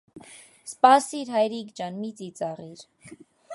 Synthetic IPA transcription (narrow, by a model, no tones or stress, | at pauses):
spɑsiɾɦɑjɾikd͡ʒɑnmit͡sit͡sɑʁiɾ